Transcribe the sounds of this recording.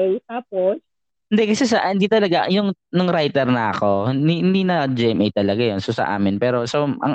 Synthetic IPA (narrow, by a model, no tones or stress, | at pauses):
jt̪aːp̚os | ɪnd̪ɛkɐsɛsɐʔhɪnd̪iːt̪ɐlɐɡajʊŋ | nʊŋɾajt̪ɛɾnɐʔɐ̰ko̞iɪnd̪iːnɐd͡ʒɛmʔɛjt̪ɐlɐɡajonsosɐ̰ʔa̰ːmɪnpɛːɾo̞soɐ̰ŋ